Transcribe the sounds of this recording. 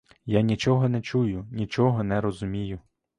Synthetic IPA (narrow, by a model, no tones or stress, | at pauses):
janʲit͡ʃɔɦɔnɛt͡ʃujʊnʲit͡ʃɔɦɔnɛɾɔzʊmʲijʊ